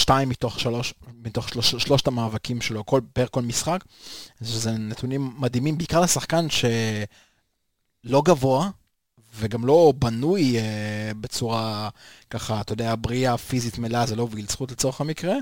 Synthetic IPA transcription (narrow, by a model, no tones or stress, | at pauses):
ʃtaimːit̪o̞χʃaloʃmit̪o̞χʃoʃʃlo̞ʃt̪amaːvakimʃelokolbeeʁko̞lmisχak | ʃezenet̪unimːad̪imimbeikaʁlesaχkanʃe̞ | lo̞ɡavo̞a | veɡamlo̞banujebe̞t͡suʁakaχat̪ojod̪eabʁiafizit̪melazelovɡilt͡sχutlet͡so̞ʁeχamikʁe